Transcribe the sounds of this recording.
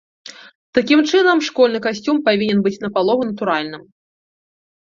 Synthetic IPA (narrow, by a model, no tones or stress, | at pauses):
t̪akʲimt͡ʂɨnɐmʂkɔlʲnɨkasʲt͡sʲumpavʲinʲɛnbɨt͡sʲnɐpalˠɔɣunɐt̪uɾalʲnɨm